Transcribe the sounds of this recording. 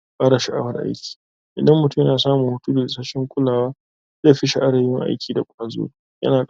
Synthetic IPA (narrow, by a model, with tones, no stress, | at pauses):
kʼaː˦ɽa˨ʃa˦ʔa̰˦wɐ˦rʔa̰˦jkʲi̥ː˨ | ʔɪ˨dɐ˦mːʊ˨tʊ˦mjnaː˨saː˦mʊ˨ŋhʊ˦tuː˦de˨ɪ˨sa˦ʃɪ˦ŋkʷʼʊ˦laː˨waː˦ | zeː˦˨ɸɪ˦ʃe˨ʔa˦ɽɐ˨jɪ˦ŋʔa̰˦jkʲiː˨da˨kʷʼaː˨zo̰ː˦ | jɐ̰˦naː˨